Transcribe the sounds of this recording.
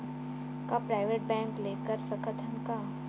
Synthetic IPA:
kapɾaːɪʋeːʈ̚bɛ̃ːŋkleːkəɾsɐ̃kət̪ʰənka

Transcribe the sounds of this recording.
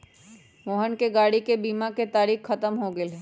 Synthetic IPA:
moːɦənkeɡaːɽikebiːmaket̪aːɾiːxːɐt̪əmɦoɡɪɦɛː

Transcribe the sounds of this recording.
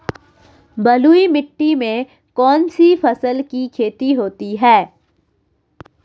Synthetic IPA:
bɐluːimɪʈːimẽ | kɔːnsifɐsəlkikʰeːt̪iɦoːt̪iɦɛː

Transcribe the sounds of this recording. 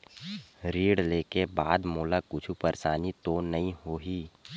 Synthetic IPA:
ɾiːɽleːkebaːd̪moːlakʊt͡ʃʰupəɾsaːnit̪onɐɦĩɦoːɦiː

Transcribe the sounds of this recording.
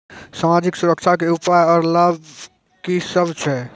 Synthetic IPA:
samad͡ʒiksuɾəkt͡ʃʰakeupajɔːɾlab | kisəbt͡ʃʰɛ

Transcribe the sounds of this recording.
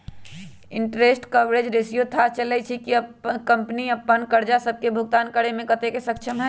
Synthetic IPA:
ɪ̃ɳʈɾeːsʈkɐʋɾed͡ʒɾɪsjut̪ʰat͡ʃələt͡ʃʰikiɐpːkɐ̃mpniɐpːənkəɾd͡ʒasəb̚kebʱʊɡ̚t̪aːnkəɽemẽkɐt̪ekesɐkʃʰəmɦɛ

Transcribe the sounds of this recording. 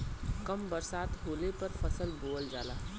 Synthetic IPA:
kəmbəɾsaːt̪ɦoːlepəɾpʰəsəlboːld͡ʒaːlaː

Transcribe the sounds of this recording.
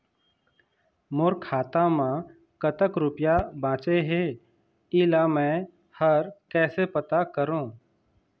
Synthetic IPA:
moːɾkʰaːt̪ãmã | kət̪əkɾʊpjabãːt͡ʃeɦeː | ɪːlamɛ̃ː | həɾkɛːsepət̪akəɾũː

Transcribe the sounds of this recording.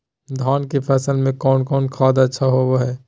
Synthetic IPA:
d̪ʱaːnkepʰɛːsəlmẽkɔːnkɔːnkʰaːd̪ətːʃʰaɦowoɦɛː

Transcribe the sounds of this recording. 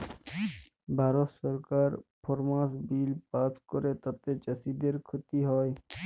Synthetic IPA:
bʱaːɾot̪səɾkaːɾpʰɔɾmãːsbiːlpaːskɔɾet̪əb̚t̪et͡ʃəsid̪eɾkʰʊt̪iɦɔːj

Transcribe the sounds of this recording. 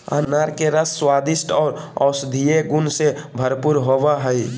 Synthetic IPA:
a̰ːnaːɾkeɾəsːwaːd̪ɪsʈɔːɾɔːsd̪ʱieɡunsebʱəɾpuɾɦoʋaɦəi

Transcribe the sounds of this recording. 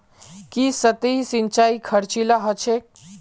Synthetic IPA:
kisət̪eisint͡ʃaikʰəɾt͡ʃilaɦət͡ʃʰek̚

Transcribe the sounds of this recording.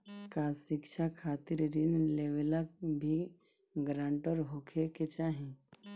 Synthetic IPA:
kasɪkʃʰakʰaːt̪ɪɾɾinleʋelək̚bʱi | ɡɾãːɳʈɔɾɦokʰeket͡ʃaːɦĩ

